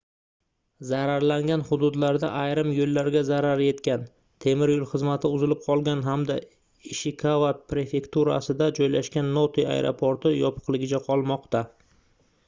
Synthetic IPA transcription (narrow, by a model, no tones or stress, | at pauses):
zaɾaɾlaŋɡʲanhʊd̪ʊd̪laɾd̪a̰ʔajɾɪmjolːaɾɡʲazaɾaɾje̞t̪kʲan | t̪ʰe̞mɪɾjolˠχɨzmat̪ʰɪʊzɪlɪp̚qʰɒlˠɡʲanɦamd̪a | ɪʃɪkʰavat̪̚pɾe̞fe̞kt̪uɾa̰sɪd̪ad͡ʒɒjlaʃkʲanːot̪ʰia̰jɾʔo̰pʰoɾt̪ɪjɒpʰɨ̥qlˠɪɡʲɪt͡ʃʰaqʰɒlˠmɒqt̪a